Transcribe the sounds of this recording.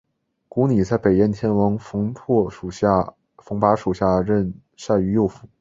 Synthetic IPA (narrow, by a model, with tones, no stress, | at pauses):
ku˧˥ni˨˩t͡sa˥˩ɪpe˨˩jɛ˥˩nt̪ʰjɛ˥nwɑ˧˥ŋfŋpʰɔ˥˩u˨˩˥ | fɤ˧˥ŋpa˧˥ʂu˨˩ɕja˥˧ɻə˥˧n | ʂa˥˩y˧˥jo˥˩ʊfu˧˥